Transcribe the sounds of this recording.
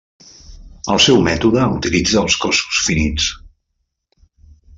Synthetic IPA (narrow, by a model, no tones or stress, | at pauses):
əlˠsɛwmɛt̪uðəut̪ilid͡zəːlˠskɔsu̥sfinit͡s